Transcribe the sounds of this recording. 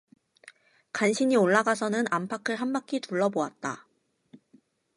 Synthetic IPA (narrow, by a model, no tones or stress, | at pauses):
kanɕʰiɲioɭːaɡasʰʌnɯnampʰakʰɯɭɦanbakʰituɭːʌboat̚t͈a̰